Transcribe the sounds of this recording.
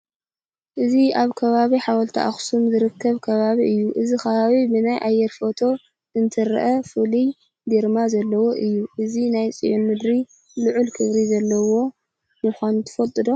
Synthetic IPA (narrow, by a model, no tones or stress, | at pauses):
ʔɨziaβkʰɐβaβiħawɐlt̪ʰa̰ʔa̰xsumzɨɾɨkːɐβkʰɐβaβiʔɨjːuʔɨzixɐβaβibɨnajʔajːɛɾfo̞t̪ʰo̞ | ɨnt̪ʰɨɾ̰ʔɐfɨli | d̪eɾmazɐlːɐwo̞ʔɨjːuʔɨzinajt͡sʼḭjonmɨd̪ɾi | lɨʕulkʰɨβɾizɐlːɐwo̞ | mɨxʷanut̪ʰɨ̥fɐt̪ʼɨd̪o̞